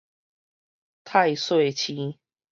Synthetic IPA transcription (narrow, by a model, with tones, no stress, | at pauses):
t̪ʰa˥˧ɪswe˥˨ɪt͡ɕʰi˦